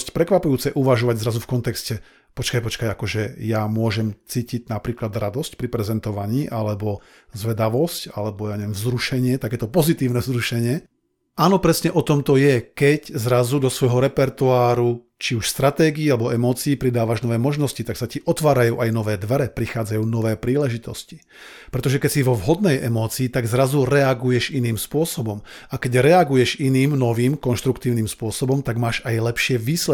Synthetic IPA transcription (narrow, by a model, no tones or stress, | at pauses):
scpɾɛkʋapujuːt͡sɛʔuʋaʒɔʋaɟzɾazufkɔnt̪ɛkscɛ | pɔt͡ʃkajpɔt͡ʃkajakɔʒɛjamʊɔʒɛmt͡siːciɟnapɾiːklad̪ɾad̪ɔscpɾipɾɛzɛnt̪ɔʋaɲiːʔalɛbɔ | zʋɛd̪aʋɔsca̰lɛbɔjaɲɛʋɛmvzɾuʃɛɲɪɛt̪akɛːt̪ɔpɔzit̪iːʊnɛzɾuʃɛɲɪɛ | aːnɔpɾɛsɲɛʔɔt̪ɔmt̪ɔjɛkɛczɾazud̪ɔsʋɔjɦɔɾɛpɛɾt̪uaːɾu | t͡ʃiuʃst̪ɾat̪ɛːɡiːalɛbɔɛmɔːt͡siːpɾid̪aːʋaʒnɔʋɛːmɔʒnɔscit̪aksaciʔɔt̪ʋaːɾajuːʔajnɔʋɛːd̪ʋɛɾɛpɾixaːd͡zajuːnɔʋɛːpɾiːlɛʒit̪ɔsci̥ | pɾɛt̪ɔʒɛkɛcsiʋɔvɦɔd̪nɛjʔɛmɔːt͡siːt̪aɡzɾazuɾɛaɡujɛʒiniːmspʊɔsɔbɔmakɛɟɾɛaɡujɛʃiniːmnɔʋiːmkɔnʃt̪ɾukt̪iːʊniːmspʊɔsɔbɔmt̪aɡmaːʃajlɛpʃɪɛʋiːslɛ